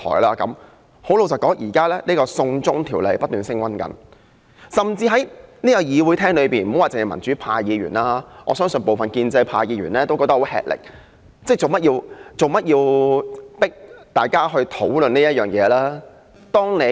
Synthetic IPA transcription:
t̪ʰɔ̰ː˨˩jlaː˧kɐ˨˧˥m | ho˨˥wlo˨˧wt͡sɐ˨˩wkɔː˨˥ŋʔiː˨˩kaː˥lɛː˥niː˥kɔː˧sʊ˧ŋt͡sʊ˥ŋt̪ʰiː˨˩wle˨˧jpɐ˥t̚t̪yː˨nsɪ˥ŋwɐ˥nkɐ̰˨˥n | sɐ˨mt͡siː˧ɦɐ˨˥jniː˥kɐ˨˧˩jiː˨˧wuː˨˧jt̪ʰɛː˥ŋlɵ˨˧ɥpiː˨nm̩˨˩˨waː˨˩t͡sɪ˨ŋhjmɐ˨˩nt͡syː˨˥pʰaː˧jiː˨˧ɥy̰ː˨˩naː˧ŋɔ̰ː˨˧sœː˥ŋsɵ˨npo˨wfɐ˨nkiː˧nt͡sɐ˧jpʰaː˧jiː˨˧ɥyː˨˩nlɛː˥t̪o˥wkɔː˧t̪ɐ˥ho˨˥hɛ̰ː˨k̚lɪ̰˨k̚ | t͡sɛ˥˩t͡so˨wmɐ˥jiː˧wt͡so˨wmɐ˥t̚jiː˧w | pɪ˥k̚t̪aː˨jkaː˥ɦɵ˧ɥt̪ʰo˨˥wlɵ˨nniː˥jɐ˥t̚jœː˨˩ŋjɛː˨˧laː˥ | t̪ɔː˥ŋne˨˧

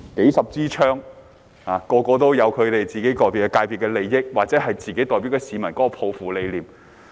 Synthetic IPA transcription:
ke˨˥jsɐ˨p̚t͡siː˥t͡ʃʰœː˥ŋ | haː˨˧kɔː˧kɔː˧t̪o˥wjɐ˨˧wkʰɵ˨˧t̪e˨jt͡siː˨ke˨˥jt̪ɔː˨jpiː˨˩wkɛ˧kaː˧jpʰi˨t̚kɛː˧le˨˧jːɪ˥k̚waː˨k̚t͡sɛː˨˦˥ɦɐ˨jt͡siː˨ke˨˥jt̪ɔː˨jp̬i˨˥wkɛ˧siː˨˧mɐ˨˩nkɔː˨˥kɔː˧pʰo˨˧wfuː˨˩le˨˧jliː˨˩m

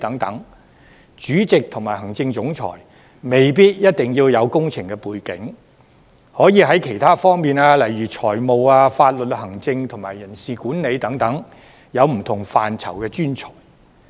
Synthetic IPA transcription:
t̪ɐ˨˥ŋt̪ɐ˨˥ŋ | t͡ʃyː˨˥t͡sɪ˨k̚t̪ʰʊ˨˩ŋmaː˨˩jhɐ˨˩ŋt͡sɪ˧ŋt͡sʊ˨˥ŋt͡sʰɔ̰ː˨˩j | me˨˩jp̬iː˥t̚jɐ˥t̚t̪ɪ˨ŋjiː˧wjɐ˨˧wkʊ˥ŋt͡sʰɪ˨ŋkɛ˧puː˨˧jkɪ̰˨˥ŋ | hɔː˨˥jiː˧ɦɐ˨˥jkʰe˨˩jt̪ʰaː˥fɔː˥ŋmiː˨naː˧lɐ˨˩jɥyː˨˩t͡sʰɔː˨˩jmo˨waː˧faː˧t̚lɵ˨t̚hɐ˨˩ŋt͡sɪ˧ŋt̪ʰʊ˨˩ŋmaː˨˩jːɐ˨˩nsiː˨kuː˨˥nne˨˧jt̪ɐ˨˥ŋt̪ɐ˨˥ŋ | jɐ˨˧wm̩˨˩t̪ʰʊ˨˩ŋfaː˨nt͡sʰɐ̰˨˩wkɛː˧t͡ʃyː˥nt͡sʰɔː˨˩j

